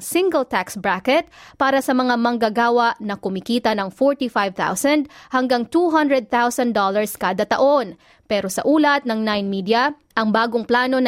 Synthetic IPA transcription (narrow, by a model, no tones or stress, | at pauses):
sɪŋɡɐlt̪aksbɹakɛt̪̚paːɾɐsɐmɐŋamɐŋɡɐɡaːwɐʔnɐkʊmɪkiːt̪ɐnɐŋfoɹt̪ifajvt̪a̰wsɐnd̪̚hɐŋɡaŋt̪uɦɐnd̪ɹɛd̪̚θawsɐnd̪olɐɹskaːd̪ɐt̪ɐ̰ʔo̞n | pɛːɾo̞sɐʔuːlɐt̪̚nɐŋnajnmiːd̪jɐ | ʔɐŋbaːɡoŋplaːno̞n